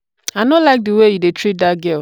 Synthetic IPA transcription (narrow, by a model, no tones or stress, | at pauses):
anolaɪk̚diwejidetɾidaɡel